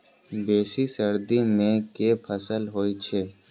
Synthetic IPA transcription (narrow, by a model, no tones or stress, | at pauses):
beːsisəɾd̪imẽkepʰəsəlɦoːit͡ʃʰeː